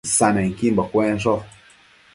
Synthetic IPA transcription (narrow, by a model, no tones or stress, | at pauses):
sanaŋ̩kimbakwɛnsɔ